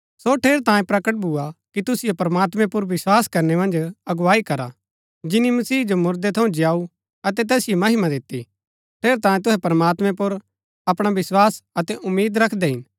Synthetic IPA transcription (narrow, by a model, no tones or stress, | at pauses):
soʈʰeːɾt̪ãːẽpɾɐkəʈ̚bʱʊakit̪ʊsɪjopɾɐmaːt̪mɛ̃pʊɾʋɪswaːskɐɾnɛmɐ̃nd͡ʒɐɡwaːikɐɾa | d͡ʒɪnimɐsiːɦd͡ʒomʊɾd̪ɛt̪ʰɐ̃ũd͡ʒɪjaːu | ɐt̪ɛt̪ɛːsɪjomɐɦɪmãd̪ɪt̪ːi | ʈʰeːɾt̪ãːjẽt̪̬ʊɦɛpɐɾɐmaːt̪mɛ̃pʊɾ | ɐpɽ̃aʋɪswaːsɐt̪ɛʔʊmːiːd̪ɾɐkʰd̪eɦɪn